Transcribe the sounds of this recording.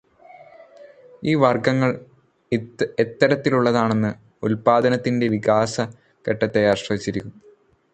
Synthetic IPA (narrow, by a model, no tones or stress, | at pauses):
iːʋɐrɡɐŋːɐɭ | et̪ːɐɾɐt̪ːiluɭːɐðaːɳe̞nːɨ | ulpaːd̪ɐnɐt̪ːinde̞ʋiɡaːsɐ | ke̞ʈːɐt̪ːɐjaaːrɕrɐʋit͡ɕːiɾikʲːu